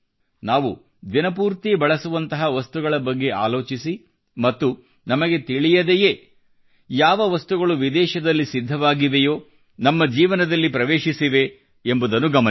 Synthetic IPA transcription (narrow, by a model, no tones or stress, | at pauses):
naːʋu | d̪inɐpuːɾt̪ibɐɭɐsuʋɐnt̪ɐɦɐʋɐst̪uɡɐɭɐbɐɡːe̞a̰ːlo̞ːt͡ʃisi | mɐt̪ːu | nɐmɐɡe̞t̪iɭijɐd̪ejeː | jaːʋɐʋɐst̪uɡɐɭuʋid̪ɛːʃɐd̪ɐlːisid̪ʱːɐʋaːɡiʋejo̞ː | nɐmːɐd͡ʒiːʋɐnɐd̪ɐlːipɾɐʋeːʃisiʋe̞ | embud̪ɐnːuɡɐmɐ